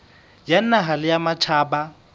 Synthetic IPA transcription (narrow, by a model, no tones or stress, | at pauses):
jan̩naɦalɪjamat͡ʃʰaːba